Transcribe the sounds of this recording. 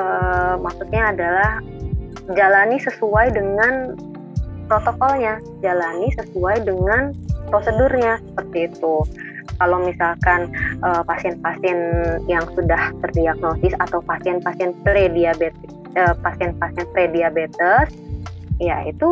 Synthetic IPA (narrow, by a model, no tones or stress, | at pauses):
əmaksut̪̚ɲaːdalah | d͡ʒalanisəsuajdəŋan | pɾot̪okɔlɲa | d͡ʒalanisəsuajdəŋanpɾosədurɲasə̥pərt̪iːt̪u | kalawmisalkanʔəpasiɛnpasiɛnjaŋsudaht̪ərdiaɡ̚nosɪsat̪awpasiɛnpasiɛnpɾediabet̪ | əpasiɛnpasiɛnpɾediabet̪əsja̰ḭt̪u